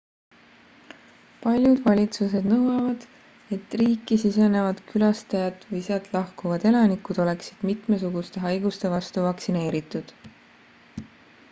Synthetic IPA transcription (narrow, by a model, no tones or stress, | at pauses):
pɑlʲjud̪̥vɑlʲit̪suse̞d̪̥nɤwɑvɑd̪̥ | e̞t̪ːˑriːkːˑisise̞ne̞vɑd̪̥kylɑst̪ɑjɑd̪̥vɯjseɑt̪ˑlɑhkuvɑd̪̥e̞lɑnikud̪̥o̞le̞ksid̪̥mit̪ˑmes̬uɡust̪e̞ɦɑjɡ̥ust̪e̞vɑst̪uvɑksine̞ːɾit̪ːˑud̪̥